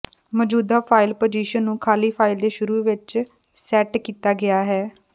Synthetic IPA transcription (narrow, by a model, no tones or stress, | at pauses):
mɔːd͡ʒuːd̪aːpʰaːɪlpoːd͡ʒiːʃənːũːkʰaːliːpʰaːɪld̪eːʃʊɾuːʋɪt͡ʃ | sɛːʈkiːt̪aːɡɪjaːɦɛː